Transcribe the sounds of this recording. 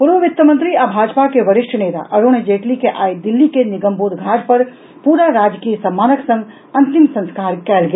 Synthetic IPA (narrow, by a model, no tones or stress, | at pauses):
puɾʋəʋit̪ːəmə̃nt̪ɾiabʱad͡ʒpakeʋəɾɪʃʈʰnet̪a̰ʔəɾoñed͡ʒeːʈlikeʔaid̪ilːikeniɡəmbod̪ɡʱad͡ʒpəɾ | puɾaɾad͡ʒkijəsəmːaːnəksə̃ŋɡ | ə̃nt̪imsə̃nskaɾkɛːlɡe